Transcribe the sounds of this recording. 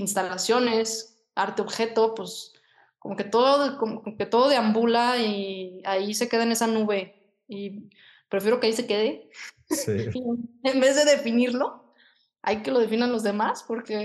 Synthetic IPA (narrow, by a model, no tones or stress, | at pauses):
inst̪alasjo̞ne̞s | aɾt̪eo̞βxe̞t̪o̞pwes | komo̞ke̞t̪o̞ðoðko̞mokooke̞t̪o̞ðo̞ðe̞ambulaiaise̞ke̞ðaene̞sanuβe̞ | i | pɾe̞fje̞ɾo̞keaise̞ke̞ðe | embe̞zðeðe̞finiɾlo̞ | a̰ike̞lo̞ðe̞finanlo̞zðemaspo̞ɾke̞